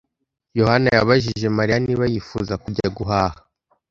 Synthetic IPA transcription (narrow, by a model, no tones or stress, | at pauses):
jo̞hanajaβaʒiʒe̞maɾijaniβajifuzakuɟaɡuɦahḁ